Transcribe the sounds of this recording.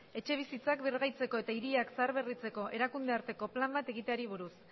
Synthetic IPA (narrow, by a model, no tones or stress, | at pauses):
e̞t͡ʃe̞β̞isit͡sakbiɾɣajt͡se̞ko̞e̞t̪aiɾiakseaɾβerit͡se̞ko̞ʔeɾakund̪e̞aɾt̪e̞ko̞plambat̪e̞ɣ̞it̪eaɾiβ̞uɾus